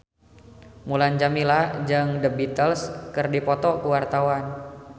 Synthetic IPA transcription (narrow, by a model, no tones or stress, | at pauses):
muland͡ʒamilad͡ʒəŋdəbit̪əlskərdipɔt̪ɔkuwart̪awan